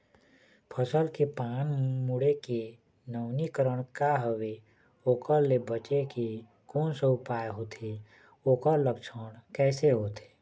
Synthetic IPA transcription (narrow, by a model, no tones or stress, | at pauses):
pʰəsəlkepaːnmuɽeke | nəʊnikəɾəɽ̃kaɦəʋe | oːkəɾlebət͡ʃeke | koːnseʊpaːeɦoːt̪ʰe | oːkəɾləkt͡ʃʰəɽ̃kɛːseɦoːt̪ʰe̥ː